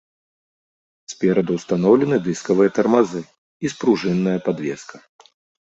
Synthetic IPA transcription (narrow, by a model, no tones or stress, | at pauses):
spʲɛɾɐd̪ust̪anɔwlʲɛnɨd̪ɨskɐvɨjɐt̪ɐrmazɨ | ispɾuʐɨnːɐjɐpad̪vʲɛ̰skʰɐ